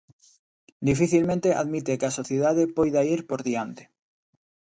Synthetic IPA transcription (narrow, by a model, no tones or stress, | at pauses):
d̪ifiθilmẽnt̪eʔa̰ðmit̪ekeasoθjeðaðepojðaiɾpoɾðiant̪e̥